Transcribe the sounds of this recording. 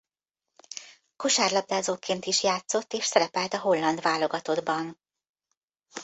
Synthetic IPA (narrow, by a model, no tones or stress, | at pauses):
ko̞ʃaːrlɒb̚d̪aːzoːkeːnt̪iʃjaːt̪so̞t̪ːeːʃsɛɾɛpɛlt̪ɒɦo̞lːɒnd̪ʋaːlo̞ɡɒt̪o̞d̪bɒn